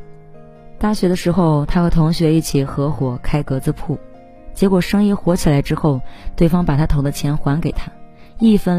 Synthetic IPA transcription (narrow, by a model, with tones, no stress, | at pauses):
t̪a˥˩ɕɥɛ˧˥d̪ə˧ʂɻ̩˧˥xo˥˧ʊt̪ʰa˥xɤ˧˥t̪ʰʊ˧˥ŋɕɥɛ˧˥i˥˩t͡ɕʰi˨˩xɤ˧˥xwɔ˨˩kʰa˥ɪkɤ˧˥t͡sɹ̩˥˧pʰu˥˩ | t͡ɕjɛ˧˥kwɔ˨˩ʂɤ˥ŋi˥xwɔ˧˥t͡ɕʰi˨˩la˧˥ɪʈ͡ʂɻ̩˥xo˥˧ʊt̪we˥˩ɪfɑ˥ŋpa˨˩t̪ʰa˥t̪ʰo˧˥ʊd̪ə˧t͡ɕʰjɛ˧˥nxwa˧˥nke˨˩ɪt̪ʰa˥ | i˥˩fə˥˩n